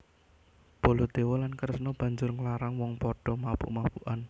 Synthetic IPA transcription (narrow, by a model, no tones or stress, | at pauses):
b̥ɔ̤lɔd̪̥e̤wɔlankərsnɔb̥ä̤ɲd͡ʒʊrŋlaɾaŋwɔŋpɔɖ̥ɔ̤mapṵʔmapuʔan